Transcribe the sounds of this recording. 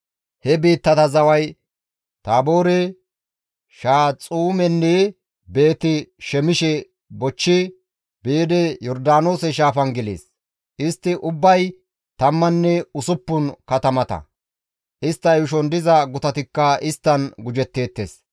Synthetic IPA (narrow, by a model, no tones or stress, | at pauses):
hɛbiːt̪ːɐt̪ɐzɐwɐj | t̪aːbo̞ːɾe | ʃaːt͡sʼuːmɛnːɛ | be̞ːt̪ɪʃɛmɪʃɛ | bɔt͡ʃːɪ | beːd̪ɛjɔɾd̪aːno̞ːsɛʃ̬aːfɐnɡɛlḛːs | ʔɪst̪ːɪʔʊbːɐj | t̪ɐmːɐnːɛʊsʊpːʊnkɐt̪ɐmɐt̪ɐ̰ | ʔɪst̪ːɐjʊʃ̬ɔnd̪ɪzɐɡʊt̪ɐt̪ɪkːɐɪst̪ːɐnɡʊd͡ʒɛt̪ːe̞ːt̪ːḛːs